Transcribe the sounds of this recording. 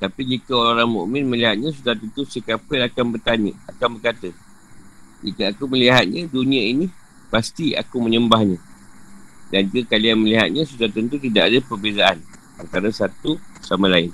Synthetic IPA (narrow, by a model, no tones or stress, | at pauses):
t̪apid͡ʒikəoɾaɾaŋmṵʔmɪ̃nmə̃liɦat̪̚ɲãs̬ut̪aat̪ənt̪usikapɛlakanbərt̪aɲəakanbərkat̪ə | d͡ʒikəakuməliɦat̪̚ɲadunĩaini | past̪ia̰kumə̃ɲəmbahɲã | dand͡ʒuɡəkalianməliɦa̰t̪̚ɲãsut̪aat̪ənt̪̬ut̪idaʔadəpərbezaan | ant̪aɾasat̪usamãlaɪn